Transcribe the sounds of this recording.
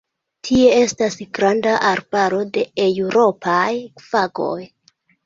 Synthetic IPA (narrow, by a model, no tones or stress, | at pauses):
tʰie̞e̞stasɡɾandaʔaɾbaɾo̞de̞ewɾo̞pʰajfaɡo̞̰j